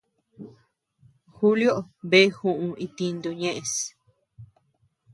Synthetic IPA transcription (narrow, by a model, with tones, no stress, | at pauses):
xu˦ljo˦ʔβe˦xũ˧ʔũ˧i˧t̪i˧nd̪u˧ɲẽ˦ʔẽ˧s